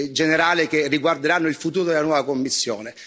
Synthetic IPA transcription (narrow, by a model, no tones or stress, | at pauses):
d͡ʒeneɾaːlekerːiɡward̪eɾanːoilfut̪uːɾod̪elanwɔːvakomːisːjo̰ːne